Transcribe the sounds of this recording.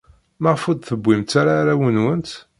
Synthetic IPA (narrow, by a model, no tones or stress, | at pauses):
məʁfud̪θəbʷːimt̪ːaɾaɾawənwənt̪